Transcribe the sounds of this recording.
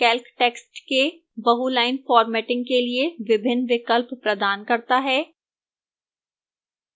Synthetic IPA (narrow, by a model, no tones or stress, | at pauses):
kɛːlkʈeːksʈke | bɐɦulaːɪnfɔːɾmɛːʈɪ̃ŋɡ̚kelieʋɪbʱɪnːʋɪkəlppɾɐd̪aːnkɐɾt̪aɦɛː